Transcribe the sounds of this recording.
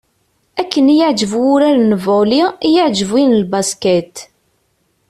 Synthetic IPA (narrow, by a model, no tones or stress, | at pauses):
ækːənjəʕd͡ʒəvʊɾaɾnəvolijəʕd͡ʒəvinəlbaskæt̪